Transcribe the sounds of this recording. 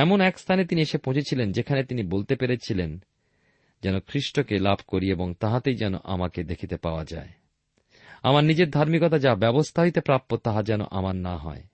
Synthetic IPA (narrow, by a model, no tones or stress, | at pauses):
ɛmonɛkst̪ʰanet̪inieʃepõd͡ʑet͡ɕʰilend͡ʑekʰanet̪inibolt̪epeɾet͡ɕʰilen | d͡ʑɛnokʰɾiʃʈokelabʱkoɾieboŋt̪aɦat̪ejd͡ʑɛno̰ʔa̰maked̪ekʰit̪epaoa̰d͡ʑa̰e | a̰maɾnid͡ʑeɾd̪ʱaɾmikɔt̪ad͡ʑabɛbost̪ʰaɦoit̪epɾap̚t̪ːot̪aɦad͡ʑɛno̰ʔamaɾnaɦɔ̰e